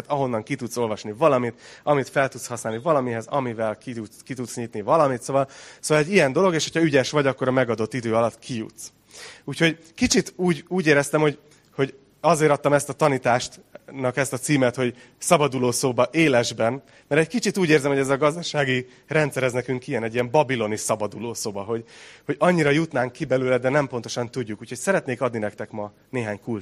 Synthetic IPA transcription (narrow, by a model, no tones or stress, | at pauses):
t̪ɒɦo̞nːɒŋkit̪ut̪so̞lvɒʃnivɒlɒmit̪ɒmit̪fɛlt̪ut̪shɒsnaːlnivɒlɒmiɦɛzɒmivɛlkiuskit̪ut̪sɲit̪nivɒlɒmit̪soːvɒlsoːvɒlɛɟːijɛnd̪o̞lo̞ɡeːʃhocʰɒyɟɛʃʋɒɟɒkːo̞ɾɒmɛɡɒd̪o̞t̪ːid̪øːɒlɒt̪kʰijṵt̪s | uːcho̞ɟ | kit͡ʃit̪uːɟuːɟeːɾɛst̪ɛmho̞ɟ | ho̞ɟ | ɒzeːɾɒt̪ːɒmɛst̪ɒt̪ɒnit̪aːʃt̪nɒkɛst̪ɒt̪siːmɛt̪ho̞ɟ | sɒbɒd̪uloːsoːbɒʔeːlɛʒbɛn | mɛɾɛckit͡ʃit̪uːɟeːrzɛmho̞ɟɛzɒɡɒzd̪ɒʃaːɡi | rɛnt̪sɛɾɛznɛkyŋkijɛnɛɟːijɛmbɒbilo̞nisɒbɒd̪uloːsoːbɒɦo̞ɟho̞ɟɒɲːiɾɒjut̪naːŋkːibɛløːlɛd̪ɛnɛmpo̞n̪t̪o̞ʃɒnt̪uɟːukuːchocsɛɾɛt̪neːkɒd̪ninɛkt̪ɛkmɒ | neːɦaːɲkul